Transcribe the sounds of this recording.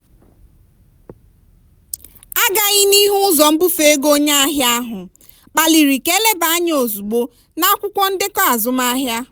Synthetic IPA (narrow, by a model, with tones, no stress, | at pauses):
a˦ɡa˨ɣɪ˦ni˦ɦu˦ʊ˦zɔ˨m̩˦bu˦fe˦e˦ɡo˦ɲa˦a˦ɦja˦a˦ɦʊ˨ | k͡pa˨li˨ɾi˨ke˦le˦ba˨a˦ɲ˦o˨zu˨ɡ͡bo˦ | na˦kʷʊ˦kʷɔ˦n̩˦dɪ˦kɔ˦a˨zʊ˨m˦a˦ɦja˦